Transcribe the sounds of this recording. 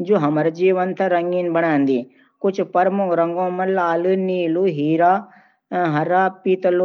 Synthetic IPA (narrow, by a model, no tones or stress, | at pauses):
d͡ʒoːɦɐməɾd͡ʒiːʋənt̪ʰɾɐŋɡinbəɽ̃ãːnd̪iː | kʊt͡ʃʰpɐɾmʊɾɐŋɡõːmɐ̃laːluniːluːɦiːɾaː | ɦɐɾaːpiːt̪l